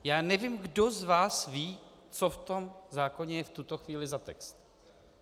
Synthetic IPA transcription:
jaːnɛviːmɡdo̞zvaːsviː | t͡soft̪o̞mzaːko̞ɲɛjɛft̪ut̪oxviːlɪzat̪ɛ̰kst̪

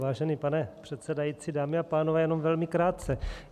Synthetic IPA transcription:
vaːʒɛnipanɛpr̝̥ɛt̪sɛdajit͡sidaːmɪapaːnovɛːjɛno̞mvɛlmɪkɾaːt̪̚t͡sɛ

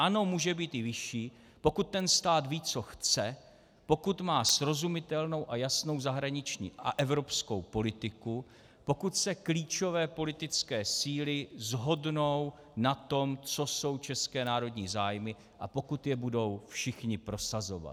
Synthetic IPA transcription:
ʔano̞muːʒɛbiːt̪ɪvɪʃiː | po̞kut̪̚tːɛnst̪aːt̪viːt͡so̞xt͡sɛ | po̞kut̪maːsɾo̞zumɪt̪ɛlno̞wʔajasno̞wzaɦɾaɲɪt͡ʃɲḭːʔa̰ʔɛvɾo̞psko̞wpo̞lɪt̪ɪku | po̞kut̪sɛkliːt͡ʃo̞vɛːpo̞lɪt̪ɪt͡skɛːsiːlɪzɦo̞dno̞w | nat̪o̞mt͡so̞so̞wt͡ʃɛskɛːnaːɾo̞dɲiːzaːjmɪ | ʔapo̞kut̪jɛbudo̞wfʃɪxɲɪpɾo̞sazo̞̰va̰t̪

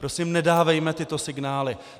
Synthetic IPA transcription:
pɾo̞simnɛdaːvɛjmɛt̪ɪt̪o̞sɪɡnaːlɪ

